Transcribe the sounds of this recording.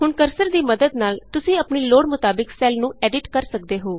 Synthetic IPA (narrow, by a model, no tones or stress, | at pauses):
ɦʊɳkəɾsəɾd̪iːməd̪əd̪naːlt̪ʊsĩːəpɳiːloːɽmʊt̪aːbɪksɛːlnũːɛːɖɪʈkəɾsək̚d̪eːɦoː